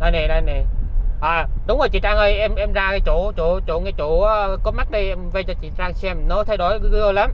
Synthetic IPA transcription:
na˧jne˨˩na˧˩ne˨˩ʔaː˨˩ɗʊ˨˦ŋ͡mŋzo˨˩t͡ɕḭ˧˨t͡ɕaː˧ŋʔə˧jʔɛ˧mʔɛ˧mzaː˧a˧˩t͡ɕu˧˩˨t͡ɕu˧˩t͡ɕṵ˧˩˨ŋɛ˧˩t͡ɕṵ˧˩˨aː˨˦kɔ˨˦ma˦˥k̚ɗi˧ʔɛ˧mvə˧t͡ɕɔ˧t͡ɕḭ˧˨t͡ɕaː˧ŋsɛ˧mnɔ˨˦t̪ʰa˨˧˦jɗo˧˩jə˧la˨˦m

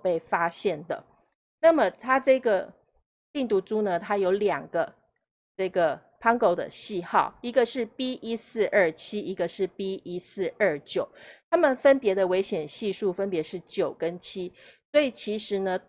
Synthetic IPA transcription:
pe˥˩ɪfa˥ɕjɛ˥˩nd̪ə̰˩ | na˥˩mə˩t̪ʰa˥ʈ͡ʂɤ˥˩ɡə˩ | pi˥˩ŋt̪u˧˥ʈ͡ʂu˥nə˧t̪ʰa˥jo˧˥ʊljɑ˨˩ŋɡ̥ə˦ | ʈ͡ʂɤ˥˩ɡə˩ | pʰɑ˥ŋko˥˧˩ʊd̪ə̰˨ɕi˥˧xɑ˥˩ʊi˧˥ɡə˧˨ʂɻ̩˥˩pi˥ʔi˦sɹ̩˥˧ʔə˞˥˩t͡ɕʰi˥i˧˥ɡə˨ʂɻ̩˥˩pi˥ʔi˦sɹ̩˥˧ʔə˥˩t͡ɕjo˨˩ʊt̪ʰa˥mə˨nfə˦˥npjɛ˧˥d̪ə˨we˧˥ɪɕjɛ˨˩nɕi˥˧ʂu˥˩fə˦npjɛ˧˥ʂɻ̩˥˩t͡ɕjo˨˩ʊkə˦nt͡ɕʰi˥swɔ˧˥i˨˩t͡ɕʰi˧˥ʂɻ̩˧˥nə˧

